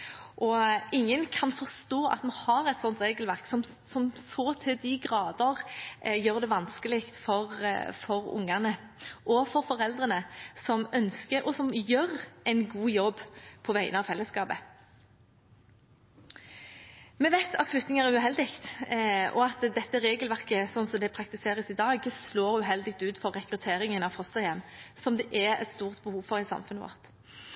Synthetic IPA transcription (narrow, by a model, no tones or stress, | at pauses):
ʔɔɪŋːənkʰɑnfɔʁst̪oːʔɑ̰t̪mɑhɑɾɛt̪sɔnt̪ɾeːɡəlʋæʁksɔmsɔmsɔːt̪ʰɪld̪ɪɡʁɑːd̪əʁjøːʁd̪ɛʋɑnskəlɪkt̪fɔʁfɔɾʊ̰ŋːɑnəʔɔfɔɾfɔɾɛld̪ʁənəsɔmœnskəɔsɔmjøːɾɛɪnɡuːjɔbːpʰɔʋæɪənəɑʋfɛlːəskɑːbə | mɛʋæɪt̪ʰɑt̪flʉkt̪nɪŋæɾʁæʁʉɦɛld̪ɪkt̪ɔɑt̪d̪ɛt̪ːəʁeːɡəlʋæʁkəsɔnsɔmd̪ɛpʰʁɑkt̪ɪseːɾəsɪd̪ɑːɡsloːʁʉɦɛld̪ɪk̚t̪ʉːt̪fɔʁːɛkɾʉt̪ʰeːɾɪŋənɑfɔst̪əjɛmːsɔmd̪ɛʔæɛ̰t̪st̪uːʁt̪bəhuːʋfɔʁɪsɑ̰mfʉnəʋɔ̰ːʁt̪